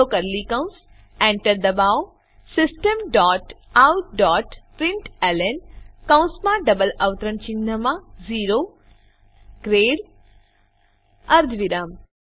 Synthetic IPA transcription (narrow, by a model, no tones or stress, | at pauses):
oːkɐɾlikɐw̃ns | ɛ̃ɳʈəɾd̪ɐbaːw | sɪsʈəmɖɔːʈawɖɔːʈpɾɪɳʈelenkɐ̃wnsmãɖɐbəlɐʋt̪ɾənt͡ʃinəmãziːɾo | ɡ̥ɾeːɽ | ɐɾd̪ʱʋiɾaːm